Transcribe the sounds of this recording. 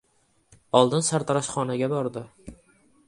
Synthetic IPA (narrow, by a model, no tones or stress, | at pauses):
ɒlˠd̪ɪnsaɾt̪ʰaɾaʃχɒnaɡʲabɒɾd̪ɪ